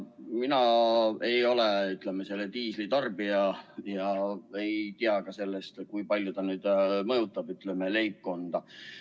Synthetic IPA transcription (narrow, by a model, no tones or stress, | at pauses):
minɑejo̞leyt̪ˑlemese̞lːet̪iːslit̪ɑrbiɑjɑe̞jt̪iɑkɑse̞lːest̪kujpɑlʲjot̪ɑnyːd̪̥mɤjut̪ːˑɑb̥yt̪lemele̞jp̚ko̞nd̪̥ɑ